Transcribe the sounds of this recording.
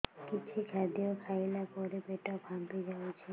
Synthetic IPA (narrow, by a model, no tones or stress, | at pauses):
kit͡ɕʰikʰad̪ijokʰajlapɔɾebeʈabʱampid͡ʒawt͡ɕʰe